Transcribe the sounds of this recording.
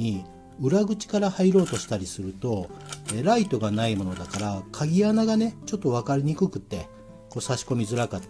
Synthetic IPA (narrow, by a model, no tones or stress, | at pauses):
i | ɯ̟ɾaɡɯ̟t͡ɕi̥kaɾahaiɾo̞ːt̪o̞ɕi̥t̪aɾʲisɨɾɯ̟t̪o̞eɾait̪o̞ɡanaimo̞no̞d̪akaɾakʰaɡʲianaɡane̞t͡ɕo̞t̪ːo̞β̞akaɾʲiɲ̟ikɯ̟kɯ̟t̪ːe̞ | ko̞ːsaɕi̥ko̞mʲizɨɾakat̪ː